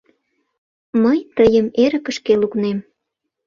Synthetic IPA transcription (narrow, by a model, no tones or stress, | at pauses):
məjt̪əjəmeɾə̆kə̆ʃkeluknem